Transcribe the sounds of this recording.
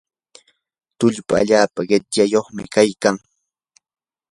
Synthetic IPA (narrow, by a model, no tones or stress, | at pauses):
t̪ʊʎpa̰a̰ʎaːpaɢɪt̪jajoχmɪ̰kajkaŋ